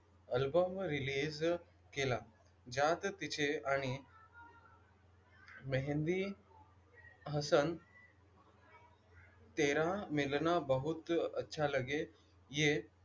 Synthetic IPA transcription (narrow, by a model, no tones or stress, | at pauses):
əlbəmɾilid͡z | kela | d͡ʑat̪t̪it͡ɕeaɽ̃i | məɦɛ̃nd̪i | ɦəsən | t̪eɾamilnabəɦut̪ətːɕʰaləɡe | je